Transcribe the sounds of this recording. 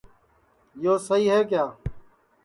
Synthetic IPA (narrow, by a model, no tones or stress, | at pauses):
joːsəɦiːɦeːkjaː